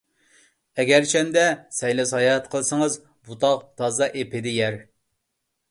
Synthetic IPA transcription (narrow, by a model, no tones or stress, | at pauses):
ɛɡʲæɾt͡ʃʰɛnd̪ɛsɛjlɛsɑjɑt̪qʰəlˠsəŋəz | but̪ʰɑq̚t̪ʰɑːzɑʔepʰɪd̪ɪjɛɾ